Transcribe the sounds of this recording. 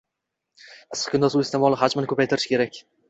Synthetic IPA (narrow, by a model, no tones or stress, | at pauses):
ɪskʲʰʊnd̪asʊɪst̪ʰemɒlˠɪhad͡ʒmɪnɪkʰɵpajt̪ʰɪɾɪʃkʰʲeɾakʲ